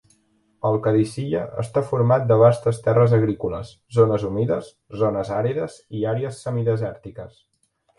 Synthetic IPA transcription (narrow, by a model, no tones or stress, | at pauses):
əlˠkəðisiʎəʔə̰st̪afuɾmat̪̚d̪əβ̞ast̪əst̪ɛrəzəɣ̞ɾikulə̰s | zonəzumiðəz | zonəzaɾiðəziaɾeəsːəmiðəzɛɾt̪ikə̰s